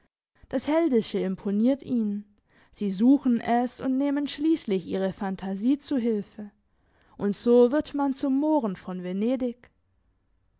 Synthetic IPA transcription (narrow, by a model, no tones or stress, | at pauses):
d̥ashɛldɪʃəɪmpʰoniːɐtʰʔiːn | z̥iːzuːxn̩ʔɛsʊntneːmənʃliːslɪçʔiːʁ̞əfantʰaziːt͡suɦɪlfə | ʔʊntz̥oːvɪɐtmant͡sʊmːoːʁənfɔnveneːdɪk